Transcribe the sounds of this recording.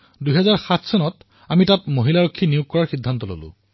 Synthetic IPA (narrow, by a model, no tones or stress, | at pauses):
duɦɛzaɹxatʰsɔnɔt | amitatmoɦilaɹokʰːinijuk̚kːɔɹaɹxidʱːantɔlo̰lʊ̰̃